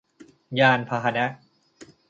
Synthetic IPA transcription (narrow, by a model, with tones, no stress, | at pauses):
jaː˧npʰa˧ɦa˧na˦˥